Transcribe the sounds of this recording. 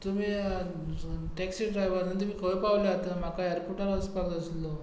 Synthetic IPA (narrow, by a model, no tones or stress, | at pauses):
t̪umi | ʈɛksiːɖɾajʋəɾnənt̪umiːkʰəʋəpaʋljaɦt̪am̤akaəɾpuʈəɾaspəɾd̪əslo